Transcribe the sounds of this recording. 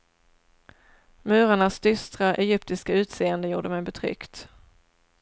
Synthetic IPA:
mʉ̟ːɾaɳasd̪̥ʏst̪ɾaʔɛjʏpt̪ɪskaʉ̟ːt̪seːənd̪əjuːɖəmɛjbɛt̪ʰɾʏ̰kt̪

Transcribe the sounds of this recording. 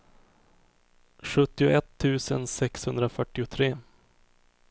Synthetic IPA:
ɧɵt̪ːɪʊʔɛt̪ʰːʉ̟ːsənsɛkshɵnd̪ɾafœʈːɪʊt̪ʰɾeː

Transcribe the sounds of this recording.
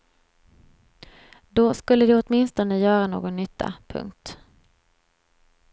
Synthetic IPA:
d̪ɔskɵlːəd̪ɪɔt̪mɪnst̪ɔnəjœːɾano̰ːɡɔnːʏt̪ʰːa̰pʰɵ̰ŋkt̪

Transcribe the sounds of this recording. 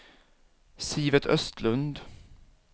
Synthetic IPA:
siːvət̪ʰœst̪ʰlɵnd̪

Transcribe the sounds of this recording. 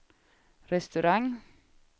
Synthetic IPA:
ɾɛst̪ʉɾɑŋ

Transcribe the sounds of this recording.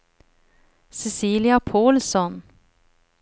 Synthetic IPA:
sɛsiːlɪapʰoːlsɔn

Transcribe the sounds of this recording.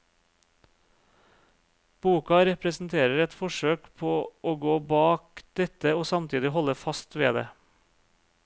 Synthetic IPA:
b̥uːkɑɾɛpɾɛsn̩t̪ʰeːɾəɾɛt̪fɔʃøːkpʰoːʔoːɡoːbɑːkd̪̥ɛt̪əoːsɑmt̪ʰiːd̪ɪhɔləfɑst̪ʋeːd̪ḛː

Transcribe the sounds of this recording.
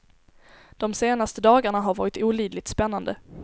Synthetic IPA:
d̪̥ɔmseːnast̪əd̪ɑːɡaɳaɦaɾvɑ̰ːɾɪt̪uːliːd̪lɪt̪spɛnːand̪ə

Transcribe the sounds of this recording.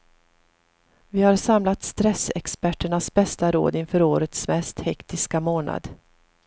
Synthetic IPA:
vɪhaɾsamlat̪st̪ɾɛsɛ̰kspæʈːəɳasbɛst̪aɾo̰ːd̪ɪnfœːɾoːɾət̪smɛst̪hɛkt̪ɪskamoːna̰d̪

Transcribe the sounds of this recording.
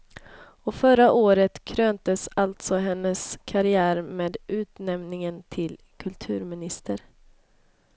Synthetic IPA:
ɔfœɾaʔoːɾət̪kʰɾøːnt̪əsalt̪sɔɦɛnːəskʰaɾɪæːɾmeːd̪ʔʉ̟ːt̪nɛmnɪŋənt̪ʰɪl | kʰɵlt̪ʰʉ̟ːɾmɪnɪst̪əɾ

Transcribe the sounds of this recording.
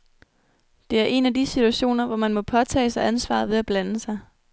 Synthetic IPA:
d̥e̝æɐʔe̝næd̥isit͡sʰuæɕo̝̰ːnɐʋɒmænmɒ̽pʰɒ̽t͡sʰɛ̰ːsɑ̈ɪʔænsʋɑ̰̈ðˠʋe̝æb̥lænəsɑ̈ɪ

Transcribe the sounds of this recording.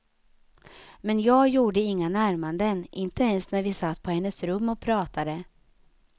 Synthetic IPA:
mɛnjɑːɡjuːɖəɪŋːanæɾmand̪ənʔɪnt̪əɛnsnæɾvɪsat̪ːpʰɔhɛnːəsɾɵmːɔk̚pʰɾɑːt̪ad̪ə

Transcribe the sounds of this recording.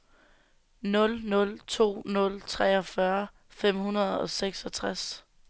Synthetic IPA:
nɔ̽lnɔ̽lt͡sʰo̝̰ːnɔ̽lt͡sʰʁɛ̰ːɒ̽fɶɐ | fem̰ɦunɐð̞ˠɒ̽seɡ̥sɒt͡sʰʁas

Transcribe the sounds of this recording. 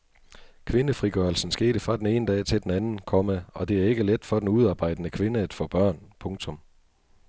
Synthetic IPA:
kʰʋe̝nəfʁiɡ̥ɶɐl̩sn̩sɡ̥e̝̰ːɾ̥əfʁɑ̈d̥ene̝ːnəd̥ɛ̰ːt͡sʰe̝ld̥enænn̩kʰɒ̽məɒ̽d̥e̝æɐe̝ɡ̥əled̥fɒ̽d̥enuð̞ˠɑ̈ːb̥ɑ̈ɪ̰d̥ənəkʰʋe̝nəæd̥fɔ̰ːb̥ɶɐ̰npʰɔ̽ŋt͡sʰɔ̽m

